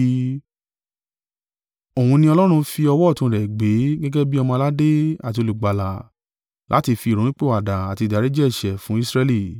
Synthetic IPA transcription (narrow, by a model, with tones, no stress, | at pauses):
o˨wũ˧nĩ˧ɔ˧lɔ˦ɾ̃ũ˧fi˧ɔ˧wɔ˦˨tũ˧˨ɾɛ˨ɡ͡be˨˦ɡɛ˦ɡɛ˦bi˦ɔ˧mɔ̃˧la˦de˦a˦˨t̬i˧o˧lu˨ɡ͡ba˨la˨ | lʔa̰˨˦ti˧fi˧˨ɾõ˨˦ĩ˦k͡pe˦˨a˨da˨a˨ti˧˨da˨ɾe˨˦d͡ʒɛ˦i˨ʃɛ˨fũ˨˦i˦sɾɛ˧li˦˨